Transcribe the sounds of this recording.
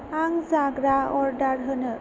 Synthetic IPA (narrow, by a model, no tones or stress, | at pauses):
aŋzaɡɾaɔɾɖaɾɦənə